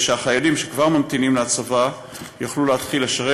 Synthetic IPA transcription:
ʃeaχajalimʃekvaʁmamt̪inimleat͡sava | jaχluleat̪χileʃaʁe

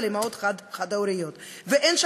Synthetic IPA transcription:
lemaot̪ad̪χad̪awɾijot̪ | veʔenʃ

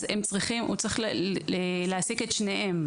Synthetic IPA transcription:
zemt͡sʁiχimʔṵt͡sʁiχeleasike̞t̪ʃne̞em

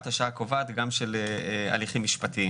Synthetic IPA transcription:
t̪aʃaakovat̪ɡamʃela̰liχimːiʃpat̪ii

